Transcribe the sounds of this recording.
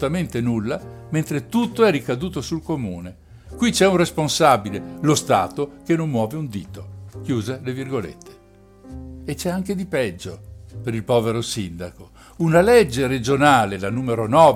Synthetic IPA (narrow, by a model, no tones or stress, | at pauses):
t̪ament̪enulːament̪ɾet̪ut̪ːoɛrikad̪uːt̪osulkomuːne | kwit͡ʃɛunresponsabilelost̪a̰ːt̪ok̟enːonmwɔːveund̪iːt̪ok̟juːzelevirɡolḛt̪ʰːe̥ː | t͡ʃɛaŋk̟ed̪ipɛd͡ʒːopeɾilpɔːveɾosind̪ako | unalɛd͡ʒːeɾed͡ʒonaːlelanuːmeɾonɔː